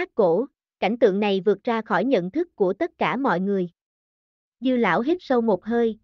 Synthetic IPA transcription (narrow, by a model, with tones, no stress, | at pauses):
aː˦˥t̚ko˧˥ | ka̰˧˩jŋ̟t̪ɨ̰˧˨əŋna˨˩jvɨ˨˩ət̚zaː˧xɔ˧˩jɲə̰˧˨nt̪ʰɨ˦˥kːu˧˩ət̪ə˦˥t̚kaː˧˩mɔ̰˧˨jŋɨ˨˩əj | zɨ˧la̰ː˧˥wɦi˦˥p̚sə˧wmo˨˩t̚ɦəː˧j